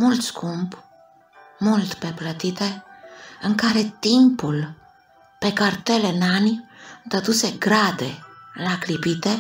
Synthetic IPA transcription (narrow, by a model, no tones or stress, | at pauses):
mult̪skump | mult̪peplət̪it̪eəŋkaɾet̪impul | pekaɾt̪elenanid̪ad̪useɡɾad̪elaklipit̪e